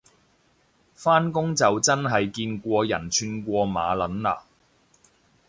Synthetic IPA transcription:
faː˥nkʊ˥ŋt͡sɐ˨wt͡sɐ˥nɦɐ˨jkiː˧nkʷɔː˧jɐ̰˨˩nt͡ʃʰyː˧nkʷɔː˧ma̰ː˨˧lɐ˨˥nla̰ː˧

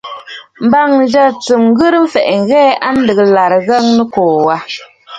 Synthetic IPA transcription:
m̩˨ba˦˨ŋn̩˨d͡ʒa˦t͡sɨ˨m˦ɣɨ˦ɾɨ˦m̩˦fɛ˨ʔɛ˨ŋ̩˨ɣɛː˦ʔa˦n̩˦dɨ˨ɣɨ˨la˨ɾɣa˦ŋnɨ˦koː˨wa˦

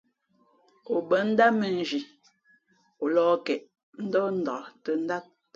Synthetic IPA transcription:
o˨bə˨n̩˦da˦mə˨n̩˨d͡ʒi˨ | o˨lɔː˦kɛ˨ʔ | n̩˦dɔ˦n̩˦dɔ˨tə˨n̩˦da˦t̚

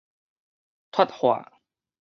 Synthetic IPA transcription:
t̪ʰwa˥t̚hwa̰ː˨˩

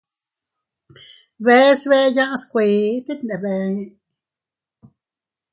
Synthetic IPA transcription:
βe˦sβe˦jã˦ʔskʷi˨˦t̪i˦t̪ne˨be˧ni˧

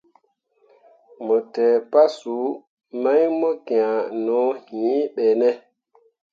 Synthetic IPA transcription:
mɔ˨tɛ˨pa˦su˨˦ | ma˦jmɔ˦kẽ˨ã˨nɔ̃˨˦hĩː˨˦ɓɛ˨nɛ˦

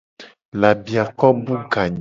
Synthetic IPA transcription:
la˨bi˨a˨kɔ˦bu˦ɡa˨ɲ

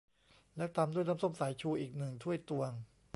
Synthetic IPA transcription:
lɛ˦˥t̪a˧mdu˥˩əjnaː˦˥˩mso˥˩msa˩˦jt͡ɕʰuː˧ʔiː˨˩k̚nɯ˨˩ŋt̪ʰu˥˩əjt̪u˧əŋ

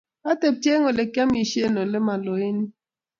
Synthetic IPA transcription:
a˦te˨p̚tje˦ŋɔ˨le˨ka˦mi˨ʃe˦˨nɔ˨lɛ˦ma˨lɔ˨e˦ni˦

